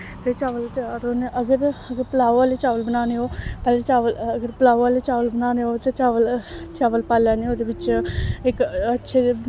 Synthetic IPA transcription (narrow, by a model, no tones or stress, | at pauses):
t̪eːt͡ʃaːʋəlɾoːneʔəɡəɾəɡəɾpəlaːoaːleːt͡ʃaːʋəlbənaːneɦoːpɛːlet͡ʃaːʋələɡəɾpəlaːoaːleːt͡ʃaːʋəlbənaːneɦoːt̪eːt͡ʃaːʋəlt͡ʃaːʋəlpaːljaːneːoːd̪eːʋɪt͡ʃɪkətːʃʰe